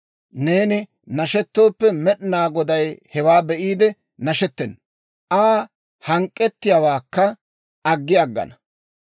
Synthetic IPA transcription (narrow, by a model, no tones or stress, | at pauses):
ne̞ːnɪ | nɐʃɛt̪ːo̞ːpːɛmɛɗɪnaːɡɔd̪ɐjhɛwaːbɛʔiːd̪ɛ | nɐʃɛt̪ːɛn | ʔaː | hɐŋkʼːɛt̪ːɪjaːwaːkːɐ | ʔɐɡːɪɐɡːɐ̰nɐ̥